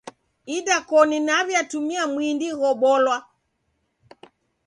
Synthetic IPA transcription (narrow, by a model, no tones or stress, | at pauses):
iɗakɔninaβjatumiamwindiɣɔɓɔlwa